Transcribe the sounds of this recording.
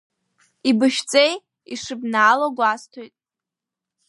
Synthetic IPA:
ibɨʃt͡sʼej | iʂɨbnaːloɡʷastʰojtʼ

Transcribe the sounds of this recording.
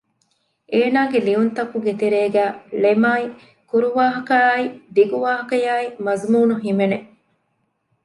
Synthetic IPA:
ʔeːnaːɡeliunt̪ɐkːuɡet̪eɾeːɡæːlemaːi | kuɾuʋaːɦɐkɐːid̪iɡuʋaːɦɐkɐjaːimɐzmuːnuɦimene

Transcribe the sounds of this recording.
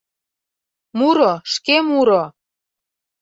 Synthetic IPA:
muɾoʃkemuɾo

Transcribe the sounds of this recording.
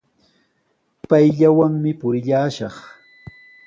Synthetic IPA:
pajʎawaŋmɪpʊɾɪʎaːʃɑχ

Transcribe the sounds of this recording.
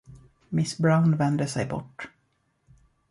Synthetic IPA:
mɪsbɾaʊnvɛnd̪əsɛjbɔ̰ʈː

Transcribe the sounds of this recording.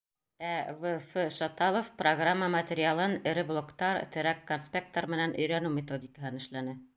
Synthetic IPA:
ævɘfɘʃot̪ɑlˠofproɡramːəmɐt̪ʲeɾʲɪalˠɤnɘ̆ɾɘblˠokt̪ɑɾt̪ʰɘ̆ɾækːonspʲek̚t̪oɾmɘ̆nænʔɵ̆jɾænʉmʲet̪odʲikəɦɤnɘ̆ʃlænɘ

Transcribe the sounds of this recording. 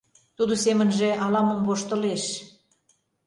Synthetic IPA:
t̪ud̪osemə̆nʒĕʔɑlɑmə̆mvoʃt̪ə̆leʃ

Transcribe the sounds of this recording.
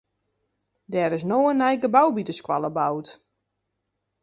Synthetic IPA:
dɛːɾɪsnoənɛjkəbawbitəskwaləbawt

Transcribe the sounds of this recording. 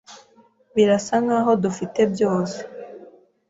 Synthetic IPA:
βiɾasaŋaːɦo̞dufite̞bjo̞ːse̥

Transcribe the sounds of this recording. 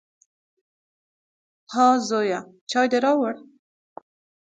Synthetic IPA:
hɑzoja | t͡ʃɑjd̪eɾɑwəɽ

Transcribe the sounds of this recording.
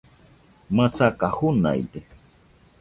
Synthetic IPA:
mat͡sakahʊna̰jd̪e

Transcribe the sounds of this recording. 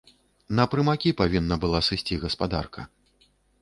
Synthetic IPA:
nɐpɾɨmakʲipavʲinːɐbɨlˠasɨsʲt͡sʲiɣɐspad̪a̰rkɐ

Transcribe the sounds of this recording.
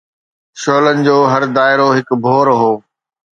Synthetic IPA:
ʃoːlənɪ̆d͡ʑoːɦɐɾd̪aːɪɾoɦɪkbʱoːɾɦoː

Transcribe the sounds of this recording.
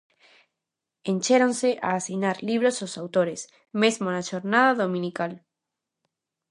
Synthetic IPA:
ẽnʲt͡ʃeɾonseʔa̰ːsinaɾliβ̞ɾososawt̪oɾes | mezmonaʃoɾnaðaðomĩnikal

